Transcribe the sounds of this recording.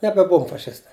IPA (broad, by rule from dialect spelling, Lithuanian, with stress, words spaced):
nʲɛbʲɛˈbʊʋoːm fɐˈʃʲɪstɐɪ